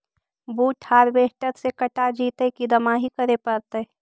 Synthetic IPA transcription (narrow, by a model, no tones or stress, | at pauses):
buːʈʰhaːɾbeːʈəɾsekɐʈad͡ʒiːt̪ekid̪ɐmaɦikəɾepɐɾt̪e